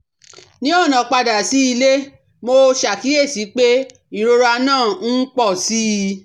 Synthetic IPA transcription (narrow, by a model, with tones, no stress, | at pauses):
nĩ˦ɔ˦˨nã˨k͡pa˧da˨si˨˦i˧le˦ | mo˧ʃa˨ki˨˦e˦˨si˨˦k͡pe˦ | ĩ˨ɾo˧ɾa˧nãː˦˨n̩˦k͡pɔ˦˨si˦˧